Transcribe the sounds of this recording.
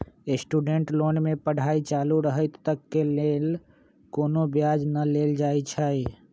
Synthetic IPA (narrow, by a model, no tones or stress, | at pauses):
esʈuːɖeɳʈloːnmẽpəɽ̤aːit͡ʃaːluɾəɦət̪ːəkːeleːl | koːnobjaːd͡ʒnəleːld͡ʒaːit͡ʃʰəi